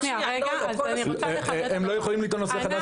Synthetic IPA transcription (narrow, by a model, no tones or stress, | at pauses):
emlojeχolimliːt̪onːoseχad̪a